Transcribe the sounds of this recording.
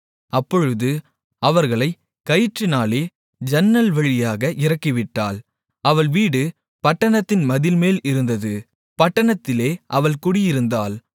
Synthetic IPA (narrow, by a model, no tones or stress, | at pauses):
ɐpːɔɻɯðɯ | ɐʋɐɾɣɐɭɐɪ | kɐjɪʈrɪnaːleː | d͡ʒɛnːɐlʋɐɻɪjaːɣɐʔɪɾɐkːɪʋɪʈːa̰ːl | ɐʋɐɭʋiːɽɯ | pɐʈːɐɳɐt̪ːɪnmɐðɪlmeːlɪɾɯnd̪ɐðɯ | pɐʈːɐɳɐt̪ːɪleːʔɐʋɐɭkʊɽɪjɪɾɯnd̪aːl